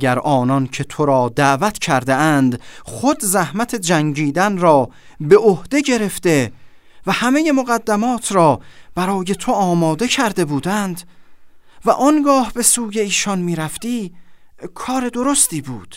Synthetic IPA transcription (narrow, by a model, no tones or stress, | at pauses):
ɡæɾʔɒːnɒncʰe̞t̪ʰo̞ɾɒːd̪æʔvæt̪ʰcʰæɾd̪eʔænd̪χo̞d̪zæhmæt̪ʰe̞d͡ʒæŋɟiːd̪ænɾɒː | be̞ʔohd̪̥e̞ɟe̞ɾe̞fd̪e̞ | væhæmeje̞moɣæd̪ːæmɒːt̪ʰɾɒːb̥æɾɒːje̞t̪ʰo̞ɒːmɒːd̪e̞cʰæɾd̪e̞buːd̪ænd̪ | væʔɒnɡɒːhbe̞suːje̞iːʃɒnmiːɾæft̪iː | kʰɒːɾe̞d̪o̞ɾo̞st̪iːbuːd̪̥